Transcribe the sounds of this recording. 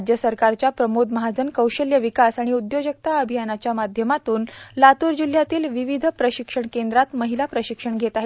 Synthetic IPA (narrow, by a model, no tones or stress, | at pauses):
d͡ʑjəsəɾkaɾt͡ɕjapɾəmod̪məɦad͡zənkəwɕəljəʋikasaɽ̃iud̪jod͡ʑək̚t̪aəbʱijanat͡ɕjamad̪ʱjəmat̪uːnlat̪uɾd͡ʑil̤jat̪iːlʋiʋid̪ʱpɾəɕikʂəɳkend̪ɾat̪məɦilapɾəɕikʂəɳɡʱet̪aɦe